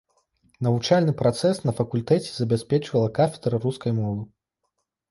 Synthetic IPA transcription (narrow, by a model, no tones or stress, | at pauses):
nɐvut͡ʂalʲnɨpɾat̪sɛsnɐfɐkulʲt̪ɛt͡sʲɛ̥zɐbʲɛsʲpʲɛt͡ʂvɐlˠɐkafʲɛd̪ɾɐruskɐjmɔvɨ